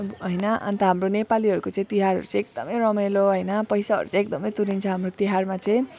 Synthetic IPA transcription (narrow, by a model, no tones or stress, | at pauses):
ɦʌjnʌʔʌ̰nt̪ʌɦamronepaliʌɾukot͡sʌ̃ĩt̪iɦarɦʌ̰ɾut͡saj̃ek̚d̪ʌmʌjrʌmʌloɦʌjnʌpʌjsaɦʌ̰ɾut͡sãekd̪ʌmʌjt̪uɾint͡sʰʌɦamrot̪iɦarmat͡sʌ̃ĩ